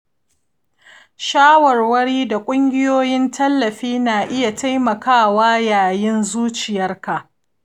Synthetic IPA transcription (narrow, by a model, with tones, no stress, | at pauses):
ʃaː˦wɐ˨rwɐ˦ɽiː˦da˨kʷʼʊ˦ŋɡʲɪ˦joː˦jɪ˦ntʰɐ˦lːɐ˨ɸiː˦naː˨ʔɪ˦ja˨ta˦jmɐ˨kaː˦˨waː˦jaː˨jɪ˦nzuː˦t͡ʃɪ˨jɐ˦rka˨ʔ